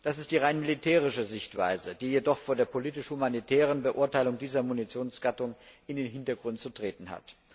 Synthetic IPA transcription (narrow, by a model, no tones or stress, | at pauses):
d̥asɪstd̥iːʁaɪnmilitʰɛːʁ̞ɪʃəzɪçtv̥a̰ɪzəd̥iːjedɔχfoːɐdeːɐpʰoliːtɪʃhumanitʰɛːʁ̞ənbəʔʊɐtaɪlʊŋdiːzɐmunit͡sjoːnsɡ̥atʊŋʔɪndeːnɦɪntɐɡʁʊnt̚t͡sutʁ̥eːtn̩ha̰t